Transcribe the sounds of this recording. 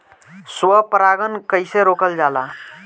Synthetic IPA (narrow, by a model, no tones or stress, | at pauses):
swəpɾaɡənkəɪseɾoːkəld͡ʒala